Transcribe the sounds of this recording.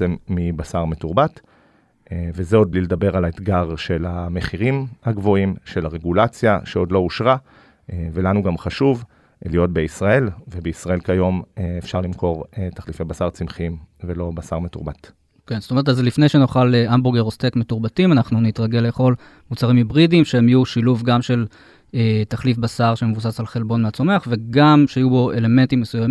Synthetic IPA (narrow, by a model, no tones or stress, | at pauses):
emːibasaʁmetuʁbat | evezeo̞d̪̚bliled̪abe̞ʁalaet̪ɡaʁʃe̞lame̞χiʁimhaɡvo̞imʃe̞laʁe̞ɡulat͡sjaʃeo̞dlo̞uʃʁa | evelanuɡamχaʃuv | lijo̞t̚beisʁae̞lvebeisʁae̞lkajo̞mefʃaʁlimko̞ʁtaχlifejbasaʁt͡simχimvelo̞basaʁmetuʁbat | ke̞nstometazlifne̞jʃenoχaleʔamboʁɡeʁostekme̞tuʁbatimanaχnunitʁaɡe̞leχo̞l | mut͡saʁimjibʁidimʃeemijuʃiluvɡamʃe̞l | etaχlifbasaʁʃeme̞vus̬asalχe̞lbo̞nmeat͡so̞me̞aχve̞ɡamʃeajubo̞ʔe̞le̞me̞ntimːesujam